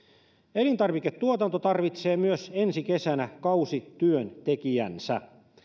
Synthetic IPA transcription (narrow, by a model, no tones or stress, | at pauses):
elint̪ɑrʋiket̪t̪uot̪ɑnt̪ot̪ɑrʋit̪seːmyøsensike̞sænækɑusit̪yønt̪ekiæ̰nsæ̰